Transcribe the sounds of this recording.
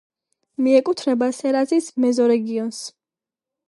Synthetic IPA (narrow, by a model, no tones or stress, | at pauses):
miɛkʼut̪ʰɾɛbasɛɾazismɛzɔɾɛɡiɔns